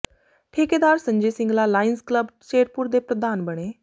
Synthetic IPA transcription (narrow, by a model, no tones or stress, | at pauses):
ʈʰeːkeːd̪aːɾsə̃ɲd͡ʒesɪ̃ŋɡlalaːɪnskləbt͡ʃeːɾpuɾd̪epɾəd̪aːnbəɽ̃eː